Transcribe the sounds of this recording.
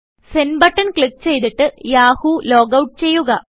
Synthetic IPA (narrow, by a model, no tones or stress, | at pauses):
senbɐʈːɐnkɭik̚ːt͡ɕe̞jt̪iʈːɨjaːhulo̞ːɡɐwʈːt͡ɕe̞jːuɣɐ